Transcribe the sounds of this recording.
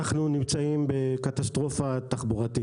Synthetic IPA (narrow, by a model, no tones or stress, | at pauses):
aχnunimt͡saimbe̞kat̪ast̪ʁo̞fat̪aχbuʁat̪i